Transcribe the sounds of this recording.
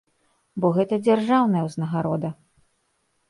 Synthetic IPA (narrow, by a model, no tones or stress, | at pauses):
bɔɣɛt̪ɐd͡zʲarʐawnɐjɛwznɐɣaɾɔd̪ɐ